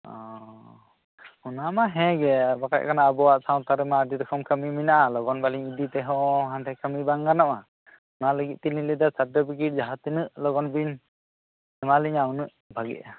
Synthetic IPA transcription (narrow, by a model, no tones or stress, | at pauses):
ɔ̰ | unamaɦɛ̃ɡɛbaka̰c̚kʰanaəbɔwaʔsaw̃t̪aɾɛmadiɾɔkʰɔmkʰəmiminaʔalɔɡɔnbaliɲid̪it̪ɛɦɔɦant̪ɛkəmibaŋɡanɔʔa | unaləɡit̪̚t̪ililid̪ɔsadɔbikiʈ̚d͡ʒaɦat̪inɯʔlɔɡɔnbiɲ | ɛmaliɲawunɯʔ | bʱaɡḭʔ̚a